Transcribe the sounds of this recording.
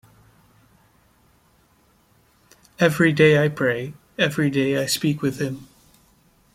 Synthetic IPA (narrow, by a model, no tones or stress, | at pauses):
ɛvɹideɪaɪpʰɹ̥eɪ | ɛvɹideɪaɪspikwɨð̥ɪ̃m